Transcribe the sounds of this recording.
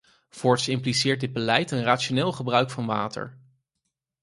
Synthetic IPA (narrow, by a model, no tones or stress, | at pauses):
v̥ʊɹtsɪmplisɪːɹt̚dɪd̚bəlɛjtənraːtt͡ʃonɪːlˠχəbrœɥkfɑnʋa̰ːtə̰ɹ